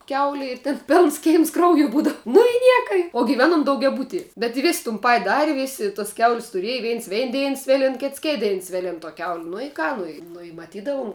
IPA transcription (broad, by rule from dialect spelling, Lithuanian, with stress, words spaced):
ˈkʲɛʊlʲɪ ɪr tʲeːn ˈpʲeːlˠns ˈkʲɛɪms ˈkrɐʊjʊ ˈbuːdɐw nʊ ɪ ˈnʲiɛkɐ ɪ oː ɡʲɪˈʋʲæːnoːm dɐʊɡʲɛˈbʊtʲiɛ bʲɛt ɪ ˈʋʲeːs tʊn ˈpɐtʲ ˈdɑːrʲɪ ˈʋʲeːsʲɪ toːs ˈkʲɛʊlʲsʲ tʊˈrʲiɛj ˈʋʲiɛns ˈʋʲɛɪn ˈdʲɛɪn ˈsʲʋʲeːlʲɪn ˈkʲɪts ˈkʲeːt ˈdʲɛɪn ˈsʲʋʲeːlʲɪn toː kʲɛʊlʲ nʊ ɪ ˈkɑː ˈnʊ ɪ ˈnʊ ɪ mɐˈtʲiːdɐʋʊm